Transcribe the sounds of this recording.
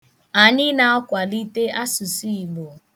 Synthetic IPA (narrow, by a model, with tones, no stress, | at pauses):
a˨ɲɪ˦na˨ɔ˦kʷa˨li˦te˦a˦sʊ˨si˦i˨ɡ͡bo˨